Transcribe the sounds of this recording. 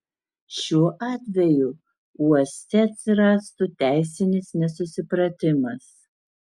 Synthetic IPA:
ʃʲuɔʔɑːt̪ʲʋʲɛju | uɔsʲt̪ʲɛɐt̪ʲsʲɪɾɑːst̪ʊt̪ʲæˑɪsʲɪnʲɪsnʲɛsʊsʲɪpɾɐt̪ʲɪmɐs

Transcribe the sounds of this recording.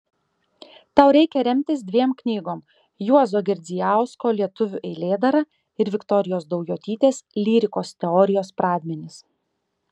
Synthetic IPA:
t̪ɑˑʊɾʲɛɪkʲɛɾʲɛmʲt̪ʲɪsd̪ʲʋʲiɛmknʲiːɡoːm | juɔzoːɡʲɛɾʲd̪zʲɪjæˑʊskoːlʲiɛt̪ʊʋʲʊʔɛɪlʲeːd̪ɐɾɐ | ɪɾʋʲɪkt̪ɔɾʲɪjoːsd̪ɔʊjʲoːt̪ʲiːt̪ʲeːslʲiːɾʲɪkoːst̪ʲɛɔːɾʲɪjoːspɾɑːd̪ʲmʲɛnʲɪs

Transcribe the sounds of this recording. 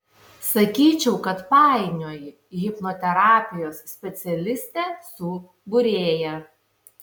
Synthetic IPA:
sɐkʲiːt͡ʃʲɛʊkɐt̪pɑˑɪnʲoːjɪ | ɣʲɪpnoːt̪ʲɛɾɑːpʲɪjoːsːʲpʲɛt̪sʲɛlʲɪsʲt̪ʲɛːsʊ | bʊɾʲeːjɛ

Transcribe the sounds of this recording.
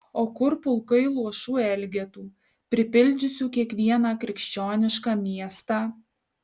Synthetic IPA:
oːkʊɾpʊlˠkɐɪlˠuɔʃuːɛlʲɡʲɛt̪uː | pʲɾʲɪpʲɪlʲˑd͡ʒʲʊsʲuːkʲiɛkʋʲiɛnɑːkɾʲɪkʃʲt͡ʃʲoːnʲɪʃkɑːmʲiɛst̪ɑː

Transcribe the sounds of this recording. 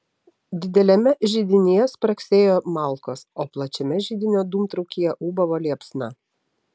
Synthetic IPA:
d̪ʲɪd̪ʲɛlʲɛmʲɛʒʲiːd̪ʲɪnʲijɛspɾɐksʲeːjoːmɑˑlˠkoːsoːplˠɐt͡ʃʲɛmʲɛʒʲiːd̪ʲɪnʲoːd̪uːmt̪ɾɐʊkʲijɛʔuːbɐʋoːlʲiɛpsnɑ

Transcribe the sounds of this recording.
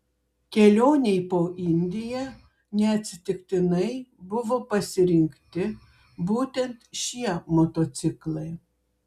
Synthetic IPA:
kʲɛlʲoːnʲɛɪpoːʔɪnʲd̪ʲɪjɛ | nʲɛɐt̪ʲsʲɪt̪ʲɪkt̪ʲɪnɐɪbʊʋoːpɐsʲɪɾʲɪŋʲkt̪ʲɪ | buːt̪ʲɛnt̪ʃʲiɛmot̪ot̪sʲɪklˠɐɪ

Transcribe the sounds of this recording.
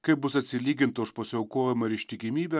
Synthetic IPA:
kɐɪp̚bʊsɐt̪ʲsʲɪlʲiːɡʲɪnt̪ɐʊʃpɐsʲɪɐʊkoːjɛmɐɪɾɪʃt̪ʲɪkʲɪmʲiːbʲɛ

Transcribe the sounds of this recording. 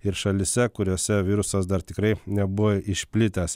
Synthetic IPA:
ɪɾʃɐlʲɪsʲɛkʊɾʲoːsʲɛʋʲiːɾʊsɐsd̪ɐɾt̪ʲɪkɾɐɪnʲɛbʊʋoɪʃʲpʲlʲɪt̪ʲɛs

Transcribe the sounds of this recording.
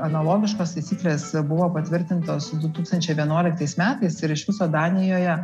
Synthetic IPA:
ɐnɐlˠoːɡʲɪʃkoːst̪ɐɪtt͡s̪ʲsʲiːklʲeːsbʊʋoːpɐt̪ʲʋʲɪɾʲt̪ʲɪnt̪oːsd̪ʊt̪uːkst̪ɐnʲt͡ʃʲɛɪʋʲiɛnuɔlʲɪkt̪ɐɪsmʲæːt̪ɐɪsɪɾɪʃʋʲɪsoːd̪ɑːnʲɪjoːjɛ

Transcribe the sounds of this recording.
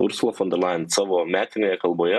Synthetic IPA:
ʊ̰ɾsʊlˠɐfɔ̃nd̪ʲɛɾlˠɑɪnsɑːʋoːmʲæːt̪ʲɪnʲeːjɛkɐlˠboːjɛ

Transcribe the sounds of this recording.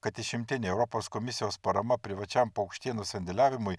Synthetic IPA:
kɐt̪ɪʃʲɪmʲt̪ʲɪnʲeɛʊɾɔpoːskɔmʲɪsʲɪjoːspɐɾɐmɐpʲɾʲɪʋɐt͡ʃʲɛmpɐʊkʃʲt̪ʲiɛnusʲɛnʲd̪ʲɪlʲæːʋʲɪmʊj

